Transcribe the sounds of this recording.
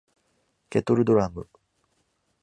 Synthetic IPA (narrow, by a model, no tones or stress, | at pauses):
kʲet̪oɾɯ̟d̪oɾamɯ